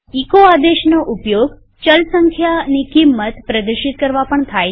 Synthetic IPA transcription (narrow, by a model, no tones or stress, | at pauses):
ikoad̪eʃnoʔupjoɡ | t͡ʃəlsəŋkʰjanikimːət̪pɾəd̪əɾʃit̪̚kəɾʋapəɳt̪ʰaj